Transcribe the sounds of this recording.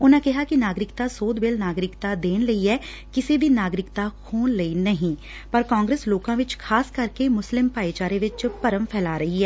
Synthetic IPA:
ʊnãːkɪɦaːkinaːɡɾɪkt̪aːsoːd̪beːlnaːɡɾɪkt̪aːd̪eːnləiɛː | kɪsebʱiːnaːɡɾɪkt̪aːkʰoːnləiːnəɦĩː | pəɾkãːŋɡɾeːsloːkãːʋɪt͡ʃkʰaːskəɾkemʊslɪmpaːeːt͡ʃaːɾeʋɪt͡ʃpəɾəmpʰɛːlaːɾəɦiɦɛː

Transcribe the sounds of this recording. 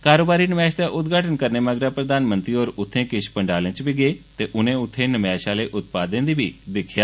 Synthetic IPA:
kaːɾoːbaːɾinəmaːʃd̪aʔʊd̪ɡʱaːʈənkəɾneməɡɾapɾəd̪ʱaːnmə̃nt̪ɾioːɾʊt̪ʰːẽkɪʃpə̃ɳɖaːlə̃t͡ʃbʱiɡet̪eʔʊnẽʊt̪ʰːẽnəmjaːʃaleːʔʊt̪̚paːd̪ə̃nd̪iːbʱid̪ɪkʰjaː

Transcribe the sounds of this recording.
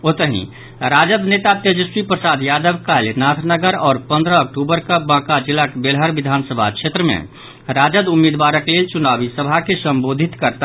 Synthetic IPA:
ot̪əɦḭ̃ | ɾad͡ʒəd̪net̪at̪jəd͡ʒəswipɾəsad̪jad̪əbkalnat̪ʰnəɡəɾɔːɾpə̃nd̪ɾəək̚ʈubəɾkabãkad͡ʒilːakbelɦəɾʋid̪ʱaːnsəbʱa̰kt͡ʃʰet̪ɾəmḛ̃ | ɾad͡ʒəd̪umːed̪ʋaɾəklelt͡ʃunabisəbʱakesə̃mbod̪ʱit̪kəɾt̪

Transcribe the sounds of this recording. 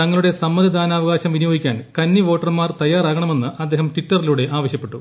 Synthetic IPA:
t̪ɐŋːɐɭuɽe̞sɐmːɐd̪ʱid̪ʱaːnaːʋɐɣaːɕɐmʋinijoːɡikʲːaːnkɐnːiʋo̞ːʈːɐrmaːrt̪ɐjːaːɾaːɣɐɳɐme̞nːɨʔɐd̪ːe̞ːɦɐmtʋitːɐriluɽe̞ʔaːʋɐɕjɐpːe̞ʈːu

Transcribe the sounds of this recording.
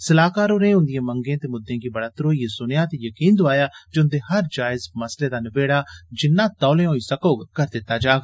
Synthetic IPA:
səlaːkaːɾoːɾẽːɦʊ̃nd̪ɪjẽːməŋɡẽːt̪eːmʊd̪ʱːẽːkibəɽaːt̪ɾoːiːesʊnejaːt̪ejəkiːnd̪oaːjaːd͡ʒʊ̃nd̪eːɦəɾd͡ʒaːɪzməsleːd̪aːnɪbeːɽaːd͡ʒɪnːãːt̪ɔːlẽːɦoːisəkoːɡkəɾd̪ɪt̪ːaːd͡ʒaːɡ

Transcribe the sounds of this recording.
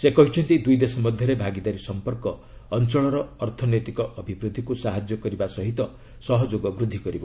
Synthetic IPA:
sekɔɦit͡ʃʰɔnt̪id̪ujd̪esɔmɔd̪ʱjʌɾebʱaɡid̪aɾisɔmpɔɾkɔː | nt͡ʃɔɭɔɾɔːɾt̪ʰɔnet̪ikɔʔːbʱibɾud̪ʱikusaɦad͡ʒjɔkɔɾibasɔɦit̪ɔ | sɔɦɔd͡ʒoɡɔbɾud̪ʱːikɔɾibo

